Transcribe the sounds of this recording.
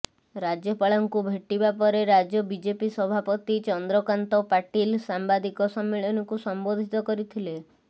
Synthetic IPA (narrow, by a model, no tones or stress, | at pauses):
ɾad͡ʒjɔpaɭɔŋkubʱeʈibapɔɾeɾad͡ʒjɔbid͡ʒepisɔbʱapɔt̪it͡ʃɔnd̪ɾɔkant̪ɔpaʈilsambad̪ikɔsɔmːiɭɔnɔŋkusɔmbod̪ʱit̪ɔkɔɾit̪ʰile